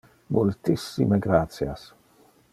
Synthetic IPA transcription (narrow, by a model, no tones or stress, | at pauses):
mʔult̪isːḭmeɡɾat̪sjas